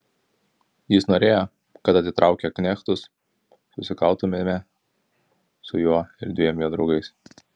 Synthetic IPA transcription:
jɪsnoːɾʲeːjo | kɐt̪ɐt̪ʲɪt̪ɾɑˑʊkʲɛknʲɛxt̪ʊs | sʊsʲɪkɐlˠt̪ʊmʲemʲɛ | sʊjuɔɪɾd̪ʲʋʲiɛmʲjuɔd̪ɾɒʊɡɐɪs

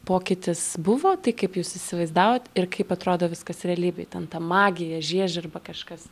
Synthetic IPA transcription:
poːkʲɪt̪ʲɪsbʊʋoːt̪ɐɪkɐɪpjuːsɪsʲɪʋɐɪzd̪ɑːʋoːt̪ɪrkɐɪpɐt̪ɾoːd̪oːʋʲɪskɐsɾʲɛɐlʲiːbʲɛɪt̪ʲɛnt̪ɐmɑːɡʲɪjɛʒʲiɛʒʲɐrbɐkɐʃkɐs

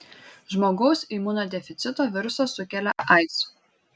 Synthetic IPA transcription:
ʒmoːɡɒʊsiːmʊːnoːd̪ʲɛfʲɪt̪sʲɪt̪oːʋʲɪɾʊsɐsʊkʲɛlʲɛʔɑɪt̪s

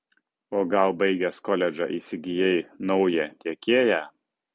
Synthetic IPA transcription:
oːɡɐlˠbɐɪɡʲɛskɔlʲɛd͡ʒʲɑʔiːsʲɪɡʲɪjɛɪnɒʊjɛt̪ʲiɛkʲeːjæ

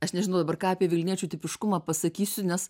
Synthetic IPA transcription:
ɐʃnʲɛʒʲnɐʊd̪ɐbɐrkɑːɐpʲiɛʋʲɪlʲnʲiɛt͡ʃʲuːt̪ʲɪpʲɪʃkʊmɑːpɐsɐkʲiːsʲʊnʲɛs

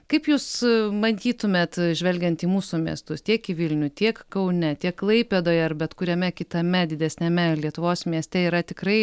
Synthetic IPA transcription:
kɐɪpjuːsmɐnʲt̪ʲiːt̪ʊmʲeːt̪ʒʲʋʲɛlʲɡʲɛnt̪iːmuːsumʲiɛst̪ʊst̪ʲiɛkiʋʲɪlʲnʲʊt̪ʲiɛkkɐʊnʲɛt̪ʲiɛkːlˠɐɪpʲed̪oːjɐrbʲɛt̪kʊɾʲɛmʲɛkʲɪt̪ɐmʲɛd̪ʲɪd̪ʲɛsʲnʲɛmʲɛlʲiɛt̪ʊʋoːsmʲiɛsʲt̪ʲɛiːɾɐt̪ʲɪkɾɐɪ

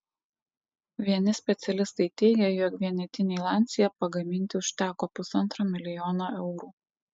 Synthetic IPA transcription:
ʋʲiɛnʲɪsʲpʲɛt̪sʲɛlʲɪst̪ɐɪt̪ʲɛɪɡʲɛjoːkʋʲiɛnʲɛt̪ʲɪnʲeɪlˠɑːˑnʲkʲsʲɪjɛpɐɡɐmʲɪnʲt̪ʲɪʊʃʲt̪ʲæːkoːpʊsɐnˑt̪ɾomʲɪlʲɪjɔːnoːʔɛʊɾuː

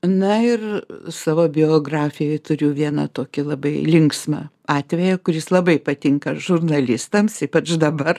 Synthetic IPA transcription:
nɐɪrsɑːʋoːbʲɪoːɡrɑːfʲɪjɛjt̪ʊɾʲʊʋʲiɛnɐ̰t̪oːkʲɪlˠɐbɐɪlʲɪŋksmɐ̰ | ɑːt̪ʲʋʲɛjɛkʊɾʲjɪslˠɐbɐɪpɐt̪ʲɪŋkɐʒʊrnɐlʲɪst̪ɐmsiːpɐt͡ʃd̪ɐbɐr

